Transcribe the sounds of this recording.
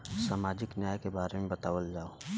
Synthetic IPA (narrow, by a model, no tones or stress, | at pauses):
saːmaːd͡ʒɪknjaːjkebaːɾemẽbɐt̪aːʋəld͡ʒaːo